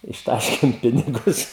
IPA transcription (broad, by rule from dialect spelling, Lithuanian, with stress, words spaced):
ɪʃˈtɑːʃʲkʲeːm ˈpʲɪnʲɪɡʊs